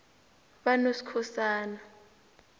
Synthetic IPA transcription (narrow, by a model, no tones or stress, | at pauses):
ɓanosi̥kʰɔsaːna